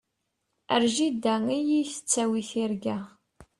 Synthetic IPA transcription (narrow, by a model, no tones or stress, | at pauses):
əɾʒid̪ːæijiθə̥t͡sːæwiθiɾɡæ